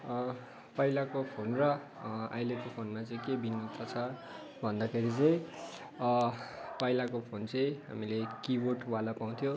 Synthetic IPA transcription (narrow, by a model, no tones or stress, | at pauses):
pʌilakopʰonrʌ | a̰jlekopʰonmat͡sʌ̃j̃kebinːut̪ʰʌt͡sʰʌ | bʱʌnd̪ʌkʰeɾit͡sʌj̃ | pʌjlakopʰont͡sʌj̃ɦa̰milekiboʈwalapaw̃t̪ʰjo